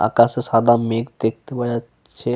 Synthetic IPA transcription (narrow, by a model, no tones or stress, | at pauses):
a̰kasesad̪ameːkd̪ek̚ʰt̪eʋəd͡ʒa | t͡ʃʰe